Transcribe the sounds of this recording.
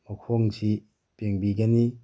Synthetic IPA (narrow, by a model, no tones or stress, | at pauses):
mɔkʰɔŋsi | peŋbiɡani